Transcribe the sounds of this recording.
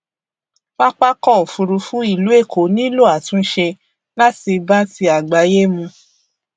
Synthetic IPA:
k͡pa˦k͡pa˦kɔ˦˨o˨fũ˧ɾu˧fũ˦i˦˨lu˨˦e˦˨kʰo˨˦nĩ˦lo˦˨a˨tũ˨˦n̩˦ʃe˧ | la˦ti˧ba˦ti˧a˨ɡ͡ba˨˦je˦mũ˧

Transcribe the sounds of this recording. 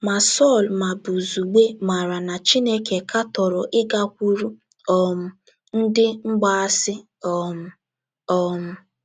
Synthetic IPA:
ma˨sɔ˦˨lma˨bu˨zu˨ɡ͡be˦ma˨ɾa˨na˨t͡ʃi˦ne˦ke˨kʰa˦tɔ˨ɾɔ˨ʔɪ˦ɡa˦kʷu˦ɾu˦ | ɔ˨m̩˨ | n̩˦dɪ˦ŋ͡m̩˦ɡ͡ba˦a˦sɪ˦ | ɔ˨m̩˦ | ɔ˨m̩˦

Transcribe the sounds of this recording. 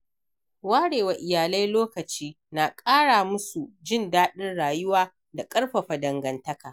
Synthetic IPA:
waː˦ɽeː˨wa˨ʔɪ˨jaː˨la˦jloː˦kɐ˨t͡ʃiː˦ | na˨kʼaː˦ɽaː˨mʊ˦su˨d͡ʒɪ˦ndaː˦ɗɪ˦nɽaː˨jʊ˦waː˦ | da˨kʼɐ˦ɽɸɐ˨ɸa˨dɐ˨ŋɡɐ˨ntɐ˦kaː˨

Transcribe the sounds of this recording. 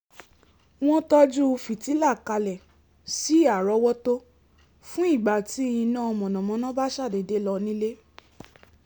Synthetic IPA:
w̃ɔ̃˦tɔ˦d͡ʒu˦˧fi˨ti˨˦la˦˨ka˧lɛ˨ | si˨˦a˨ɾɔ˧˦wɔ˦to˦ | fũ˦i˦˨ɡ͡ba˨ti˨˦jĩ˧nã˦ɔ˧mɔ̃˨nɔ̃˨mɔ̃˧˦nã˦ba˦ʃa˦˨de˨de˨˦lɔ˧nĩ˦le˦

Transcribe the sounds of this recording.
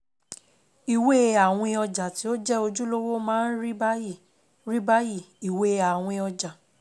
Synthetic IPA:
i˨we˦a˨w̃ɔ̃˧ɔ˧d͡ʒa˨ti˨˦o˦d͡ʒɛ˦o˧d͡ʒũ˦lo˦wo˦mãː˦n̩˦ɾi˦b | ɾi˦ba˦ji˦˨ | i˨we˦a˨w̃ɔ̃˧ɔ˧d͡ʒa˨

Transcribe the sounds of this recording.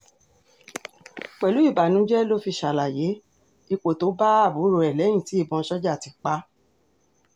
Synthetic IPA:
k͡pɛ˨lu˨˦i˦˨ba˨nũ˨˦d͡ʒɛ˦lo˦fi˧ʃa˨la˨je˨˦ | i˦˧k͡po˨to˨˦ba˦a˦˨bu˨˦ɾo˧˦ɛ˨lɛ˨˦j̃ĩ˦˨ti˨˦i˦˨bɔ̃˧˦ʃɔ˦d͡ʒa˦˨ti˨˧˦k͡pa˦

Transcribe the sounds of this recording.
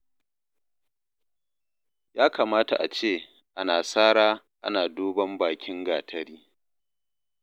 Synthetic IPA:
jaː˦kaː˨maː˦ta̰˨ʔa˨t͡ʃeː˦˨ | ʔa˦naː˨saː˦ɽaː˦ | ʔa̰˦naː˨doː˦bɐ˦mbaː˨kʲɪ˦ŋɡaː˨tʰɐ˦ɾiː˦

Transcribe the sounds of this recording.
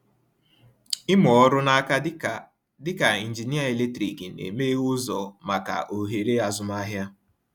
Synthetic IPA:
ɪ˦mɔ˨ɔ˦ɾʊ˦na˦ka˦ | dɪ˦ka˨i˨n̩˨d͡ʒi˨ni˦a˦e˨le˦tɾi˨ki˨nḛ˨meː˦ʊ˦zɔ˨ma˨ka̰˨ʔo˨ɦe˨ɾe˦a˨zʊ˦ma˦ɦja˦

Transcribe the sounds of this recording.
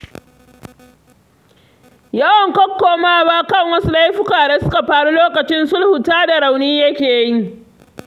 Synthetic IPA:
jɐ˦wɐ˨ŋkɔ˦kːoː˨maː˦baː˦kɐ˦ŋwɐ˦su˦la˦jɸʊ˦kaː˨da˦sʊ̥˦ka˨ɸaː˨ɽu˦loː˦kɐ˨t͡ʃɪ˦nsʊ˦lhʊ˨taː˦da˨ɾa˨wniː˦jɐ˦kʲeː˨ji˦

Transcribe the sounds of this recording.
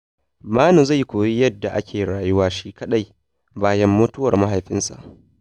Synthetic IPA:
maː˦nu˨za˦˨jkʷoː˨ji˦jɐ˦dːa˨ʔa˦kʲeː˨ɽaː˨jʊ˦waː˦ʃi˦kɐ˦ɗa˦˨j | baː˦jɐ˦mːʊː˦tʊ˦wɐ˨rma˦ɦa˨jɸɪ˦nsa̰˨ʔ

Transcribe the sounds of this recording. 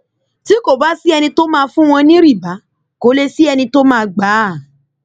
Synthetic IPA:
ti˦ko˨ba˨˦si˦ɛ˧nĩ˧to˦mãː˧fũ˦w̃ɔ̃˧nĩ˦ɾi˦˨ba˨˦ | ko˨˦le˧si˦ɛ˧nĩ˧to˦mãː˧ɡ͡ba˨˦˨

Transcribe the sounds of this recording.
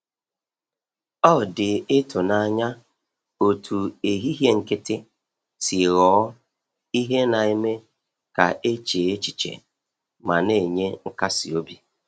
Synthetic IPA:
ɔ˦˨dɪ˨ɪ˦tʊ˨na˦ɲa˦ | o˨tʰu˨e˨ɦi˦ɦje˦ŋ̩˨kɪ˦tɪ˦ | si˨ɣɔː˨˦ | i˦ɦe˦na˨e˦me˦ | ka̰˨e˦t͡ʃe˨e˦t͡ʃi˨t͡ʃḛ˨ | ma˨ne˦˨ɲe˦ŋ̩˦ka˦sḭ˨o˦bi˨

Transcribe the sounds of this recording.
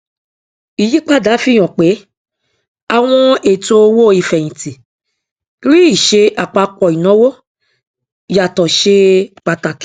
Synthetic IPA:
i˨ji˨˦k͡pa˦˨da˨˦fi˦˨j̃ɔ̃˨k͡pe˨˦ | a˧w̃ɔ̃˧e˨to˧wo˦˨˦i˨fɛ˨jĩ˨ti˨˦ | ɾi˦i˦˨ʃe˧ʔa˨k͡pa˧kɔ˨i˨nɔ̃˨˦wo˦ | ja˨tɔ˨ʃe˧˨k͡pa˧ta˨k

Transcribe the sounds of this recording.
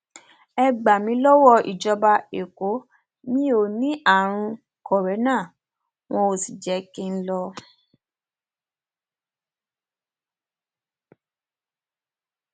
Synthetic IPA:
ɛ˧ɡ͡ba˨mĩ˧˦lɔ˦wɔ˧ḭ˨d͡ʒɔ˧ba˧e˨ko˨˦ | mĩ˦o˦˨nĩ˨˦ʔa˦˨ɾ̃ũ˧ | kɔ˨ɾɛ˨˦nã˦˨ | w̃ɔ̃˧o˨si˨d͡ʒɛ˨˦kĩ˦n̩˦lɔ˧

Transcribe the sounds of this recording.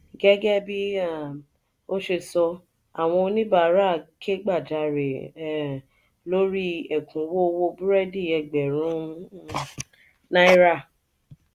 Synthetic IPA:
ɡɛ˦ɡɛ˦bi˦a˦˨ | o˦ʃe˧sɔ˧ | a˨w̃ɔ̃˧nĩ˦ba˦˨˦ɾa˦˨kʰe˦ɡ͡ba˦˨d͡ʒa˧ɾe˨ | lo˦ɾi˦ɛ˨kʰũ˨˦wo˦˧wo˧bu˦ɾɛ˦di˦˨ɛ˧ɡ͡bɛ˨ɾũ˨˦ | nã˦i˦ɾa˦˨

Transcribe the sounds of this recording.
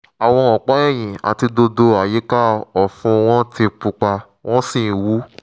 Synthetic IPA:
a˨w̃ɔ̃˧ɔ˨k͡pɔ˨˦ɛ˦˨j̃ĩ˨a̰˨ti˧do˧do˧a˨je˨˦ka˦ɔ˨fũ˧w̃ɔ̃˦ti˧k͡pu˧k͡pa˧ | w̃ɔ̃˦sĩ˦˨wu˨˦

